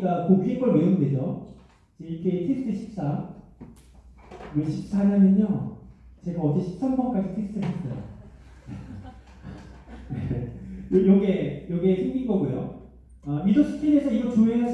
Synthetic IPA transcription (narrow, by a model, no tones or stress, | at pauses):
ɡakoɡiiɡʌɭmeunded͡ʑʌ | t͡ɕeikʰetʰesʰtʰɯɕʰi̥p̚s͈am | weɕʰi̥p̚s͈ʰaɲamjʌɲo | t͡ɕe̞ɡaʌd͡ʑeɕʰi̥p̚s͈amɡʌnk͈ad͡ʑitʰesɯ̥tʰɯɦas͈ʌjo̰e | wejojʌɡe̞jʌɡesʰeŋɡinɡʌɡujo | amisoɕʰi̥t͡ɕ͈ine̞sʰʌiɡʌɭt͡ɕoea